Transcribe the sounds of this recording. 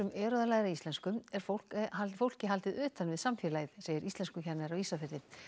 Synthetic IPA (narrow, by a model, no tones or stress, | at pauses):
ʏmʔɛːɾɔðalaːjɣɾaist̪ɛnskʏmɛɾ̥fow̥kafowl̥cɪɦalt̪ɪðʏːt̪anvɪðsamfɪɾlaːjðseːjɪɾist̪ɛnskʏçɛnaɾawislafɛɾðɪ